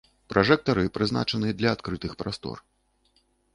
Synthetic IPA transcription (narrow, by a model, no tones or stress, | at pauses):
pɾʔaʐɛk̚t̪ɐɾɨpɾɨzna̰t͡ʂɐnɨɐd̪lʲɐːt̪kɾɨt̪ɨxpɾast̪ɔ̰r